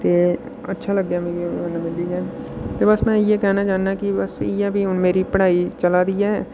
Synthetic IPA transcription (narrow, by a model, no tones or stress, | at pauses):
t̪eː | ɐ̰tːʃʰalɐɡd̪jamĩenːamɪld̪id͡ʒɛːt̪ebəsmɛ̃ːjekɛɦnad͡ʒaːnːakibəsɪ̰jabʱiʊnmeːɾipəɽ̤aːit͡ʃɐlad̪ijaɦɛː